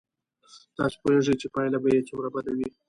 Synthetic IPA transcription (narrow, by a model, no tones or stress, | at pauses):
t̪ɑ̰spoeʐəjt͡ʃepɑjlabajet͡ʃamɾabad̪awi